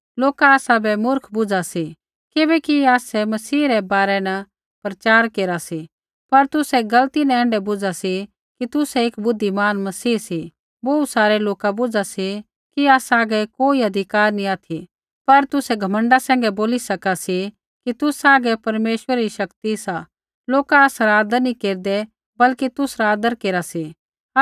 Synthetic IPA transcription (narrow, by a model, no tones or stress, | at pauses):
loːkaaːsabɛmʊɾkʰbʊd͡zasi | kɪbɛkiaːsɛmɐsiːɾɛbaːɾɛnɐ | pɾɐt͡ʃaːɾkeːɾasi | pɐɾt̪ʊsɛɡɐlt̪inãɛ̃ːɳɖɛbʊd͡zasi | kit̪ʊsɛɪkbʊd̪ʱːimaːnmɐsiːsi | bɐusaːɾɛloːkabʊd͡ʒasi | kiaːsaːɡɛkoːiɐd̪ʱɪkaːɾnĩaːt̪ʰi | pɐɾt̪ʊsɛɡʱɐmə̃ɳɖasɛ̃ːŋɡɛboːlisɐkasi | kit̪ʊsaːɡɛpɐɾmeːʃwəɾaɾiʃɐkt̪isa | loːkaːsaɾaːd̪əɾnĩkeːɾd̪ɛ | bɐlkit̪ʊsɾaaːd̪əɾkeːɾasi